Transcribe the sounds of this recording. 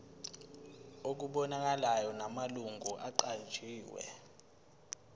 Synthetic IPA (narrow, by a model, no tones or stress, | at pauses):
ok̬uɓɔnak̬alajɔnamaluŋɡʱuʔaǃand͡ʒʱiːwɛ̰